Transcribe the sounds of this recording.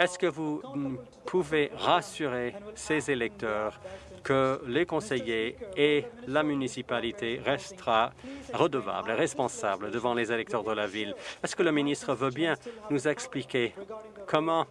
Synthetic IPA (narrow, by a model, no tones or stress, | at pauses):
ɛskəvu | pʰuveʁasyʁesezelɛk̚t̪œːʁ | kəlekɔ̃sejeː | lamynisipalit̪eʁɛst̪əʁaʁəd̪əva̰bleʁɛspɔ̃sabləd̪əvɑ̃lezelɛk̚t̪œʁd̪əlavilɛskələminist̪χəvøbjɛ̃nuzɛksplikʲekʰɔmɑ̃